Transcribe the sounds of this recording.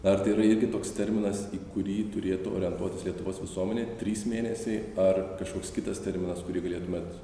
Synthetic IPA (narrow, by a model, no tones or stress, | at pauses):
nɐɐɾt̪ɐɪiːɾɐɪɾʲɡʲɪt̪oːkst̪ʲɛɾʲmʲɪnɐsiːkʊɾʲiːt̪ʊɾʲeːt̪ʊo̰ːɾʲɪɛnt̪uɔt̪ʲɪslʲiɛt̪ʊʋoːsʋʲɪsuɔmʲɛnʲeːt̪ʲɾʲiːsmʲeːnʲɛsʲɛɪɐrkɐʃkoːkskʲɪt̪ɐst̪ʲɛɾʲmʲɪnɐskʊɾʲiːɡɐlʲeːt̪ʊmʲeːt̪